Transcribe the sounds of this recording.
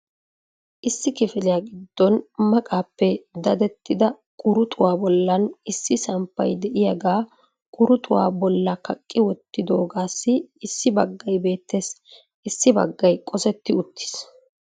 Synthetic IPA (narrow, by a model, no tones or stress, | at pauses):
ʔɪsːɪkɪfɪlɪjaːɡɪd̪ːɔnmɐkʼaːpːɛd̪ɐd̪ɛt̪ːɪd̪ɐ | kʼʊɾʊt̪ʼʊwaːbɔlːɐnɪsːɪsɐmpːɐ̰jd̪ɛʔɪjɐɡaː | kʼʊɾʊt̪ʼʊwa̰ːbɔlːɐkɐkʼːɪwɔt̪ːɪd̪o̞ːɡaːsːɪːsːɪbɐɡːɐjbe̞ːt̪ːe̞ːs | ɪsːɪbɐ̰ɡːɐjkʼɔsɛt̪ːɪʊt̪ːɪ̥s